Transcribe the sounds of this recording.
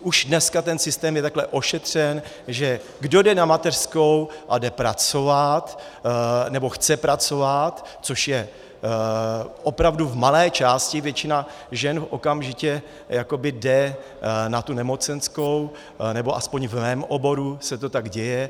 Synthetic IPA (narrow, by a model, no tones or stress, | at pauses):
ʔuʒdnɛskat̪ɛnsɪst̪ɛːmjɛt̪aklɛʔo̞ʃɛt̪r̝̥ɛn | ʒɛ | ɡdo̞dɛnamat̪ɛr̥sko̞wʔadɛpɾa̰t͡so̞vat̪ | nɛbo̞xt͡sɛpɾat͡so̞vat̪t͡soʃjɛ | ʔo̞pɾavduvmalɛːt͡ʃaːscɪvjɛt͡ʃɪna | ʒɛnfʔo̞kamʒɪcɛ | jako̞bɪdɛ | nat̪unɛmo̞t͡sɛnsko̞w | nɛbo̞ʔaspo̞ɲvmɛːmʔobo̞ɾusɛt̪o̞t̪aɡɟɛjɛ